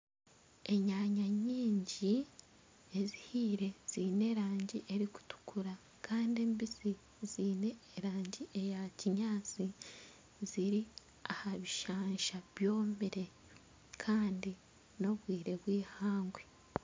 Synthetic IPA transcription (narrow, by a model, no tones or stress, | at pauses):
e̞ɲaːɲaɲiːɲɟi | e̞zihiːɾe̞z̥iːne̞ɾaːɲɟiʔe̞ɾiku̥tu̥kʰuɾa | kʰaːndieːmbisi | ziːne̞ːɾaːɲɟiʔejaciɲaːt͡si | ziɾi | ahaβiʃaːɲʃaβjo̞ːmiɾe̞ | kʰaːndi | no̞βwiːɾe̞βwiːhaːŋɡwe